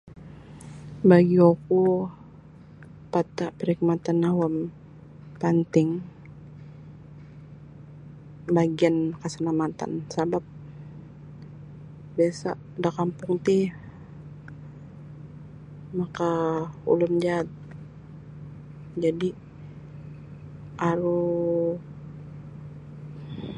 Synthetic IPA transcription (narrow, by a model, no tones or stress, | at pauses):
baɡioku | pat̪apəɾik̚mat̪anawam | pant̪ɪŋ | baɡiankasanamat̪a̰nsabap̚ | biasa̰ | dakampʊŋt̪i | makaṵlʊmd͡ʒaːt̪̚ | d͡ʒadi | ʔaɾu